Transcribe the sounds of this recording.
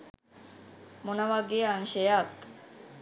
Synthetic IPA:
monaʋaɡeanɕejak

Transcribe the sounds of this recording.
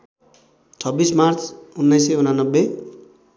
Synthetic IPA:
t͡sʰʌbːismart͡sunːʌjseunanʌbːe

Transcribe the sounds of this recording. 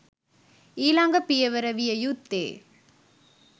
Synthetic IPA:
iːlaːŋɡɐpːɪjɐʋɐɾɐʋɪjɐjut̪ːḛː

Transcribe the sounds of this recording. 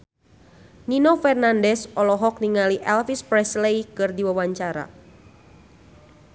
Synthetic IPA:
ninofɛrnandɛsɔlɔɦɔk̚niŋaliʔɛlfispɾɛsleikɨrdiwawaɲt͡ʃaɾa̰

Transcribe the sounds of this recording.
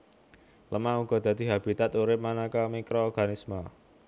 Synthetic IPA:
ləmauɡ̥ɔ̤d̪̥a̤d̪̥i̤ɦab̥i̤t̪at̪uɾɪp̚manakamikɾoːrɡ̥anisma

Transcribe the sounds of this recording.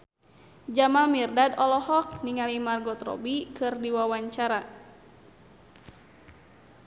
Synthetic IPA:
d͡ʒamamirdadɔlɔhɔk̚niŋalimarɡɔt̪rɔ̰bikɨrdiwawaɲt͡ʃaɾa

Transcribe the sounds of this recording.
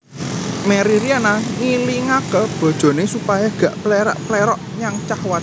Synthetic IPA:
meɾiɾianaŋiliŋakəb̥ɔ̤d̥ʒ̥o̤nesupajaɡ̥ä̤ʔplɛɾa̰ʔplɛɾɔʔɲaŋt͡ʃahwat̪

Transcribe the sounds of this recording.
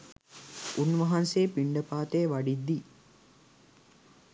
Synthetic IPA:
unʋɐɦanseːpiɳɖəpaːt̪eːʋaɖid̪ːi

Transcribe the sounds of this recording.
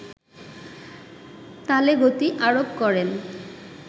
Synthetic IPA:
t̪aleɡot̪iʔaɾopkɔɾen

